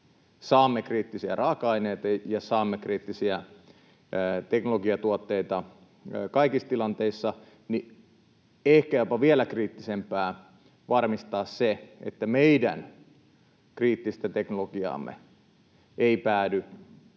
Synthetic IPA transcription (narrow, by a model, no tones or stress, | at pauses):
sɑːmːekriːt̪ːisiærɑːkɑɑineit̪ɑjɑsɑːmːekriːt̪ːisiæ | t̪eknoloɡiɑt̪uot̪ːeit̪ɑ | kɑikist̪ilɑnt̪eisːɑ | ni | ehkæjopɑʋielækriːt̪ːisempæː | ʋɑrmist̪ɑːsseḛt̪ːæmeidæ̰n | kriːt̪ːist̪æt̪eknoloɡiɑ̰ːmːḛ | eipæːdy